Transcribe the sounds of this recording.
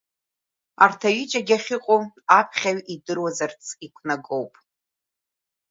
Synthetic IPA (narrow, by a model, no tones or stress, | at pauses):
artʰaɥit͡ʃʼaɡʲaχʲɪqʼoapʰχʲaɥidɨrwazart͡sʰikʷʰnaɡʼowpʼ